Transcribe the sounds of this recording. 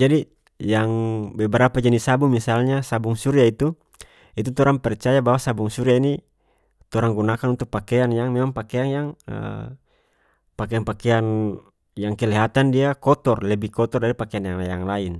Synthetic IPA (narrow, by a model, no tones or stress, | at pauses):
d͡ʒadi | jaŋbɛbɛɾapad͡ʒanisabuŋmisalɲasabuŋsuɾiait̪u | it̪ut̪ɔɾaŋpɛrt͡ʃajabawasabuŋsuɾiaini | t̪ɔɾaŋɡunakanunt̪uk̚pakɛanjaŋmɛmaŋpakɛaŋjaŋə̰ | pakɛanpakɛan | jaŋkɛlɛɦat̪andiakɔt̪ɔrlɛbikɔt̪ɔrdaɾipakɛanjaŋajaŋlain